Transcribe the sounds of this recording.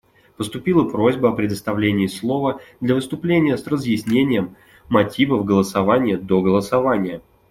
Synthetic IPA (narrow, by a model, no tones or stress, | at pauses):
pəst̪ʊpʲilˠəpɾo̞zʲbəɐpɾʲɪd̪əst̪ɐvlʲenʲɪːslˠo̞vəd̪lʲɐvɨst̪ʊplʲenʲɪjəsrəzjɪsʲnʲenʲɪjəmː | ɐtʲivəvɡəlˠəsɐvanʲɪjəd̪o̞ɡəlˠəsɐvanʲɪjə